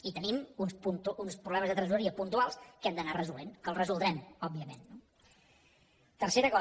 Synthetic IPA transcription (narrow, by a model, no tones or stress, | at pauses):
it̪ənimunspunt̪uunspɾuβlɛməzðət̪ɾəzuəɾiəpunt̪ualˠskɛmd̪ənarəzulenkəlˠrəzulˠd̪ɾɛmɔbːiəmḛnːo | t̪ərseɾəkɔ